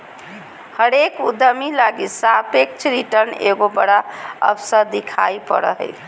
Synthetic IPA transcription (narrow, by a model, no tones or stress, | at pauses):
həɾekṵd̪əmilaɡisapek̚t͡ʃʰɾiʈəɾnḛɡobəɽaə̰psəɾd̪ikʰa̰jpə̰ɾə̰ɦə̰j